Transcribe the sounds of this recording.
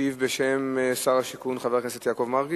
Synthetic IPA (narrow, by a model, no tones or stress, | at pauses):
ivbeʃemsaʁaʃikunχaveʁkneset̪jakovmaʁɡi